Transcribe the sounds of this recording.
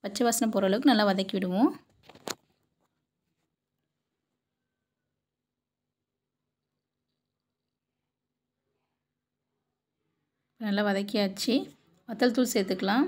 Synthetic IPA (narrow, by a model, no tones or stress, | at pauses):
pɐt͡ʃːɐʋaːsɐnɐpɔɾɐlɯkːɯnɐlːaːʋɐðɐkːiʋɪɽɯʋʊ̃ | ɪpːɐnɐlːaːʋɐðɐkːɪjaːt͡ʃːi | ʋɐt̪ːɐlt̪ulsɛjt̪ːɯkːɐlãː